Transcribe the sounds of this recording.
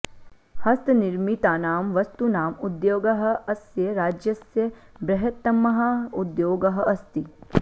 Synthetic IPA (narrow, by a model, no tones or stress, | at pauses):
hɐst̪nɪɾmit̪aːnaːmʋɐst̪unaːmud̪joːɡɐɦɐ̆ɐsjɐɾaːd͡ʒjɐsjɐ | bɾɐɦɐt̪ːɐmːɐɦaud̪joːɡɐɦɐɐst̪i